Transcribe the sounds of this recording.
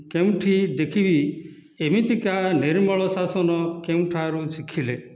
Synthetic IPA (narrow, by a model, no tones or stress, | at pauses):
keũʈʰid̪ekʰibi | emit̪ikaniɾmɔɭɔsasɔnɔkeũʈʰaɾusikʰile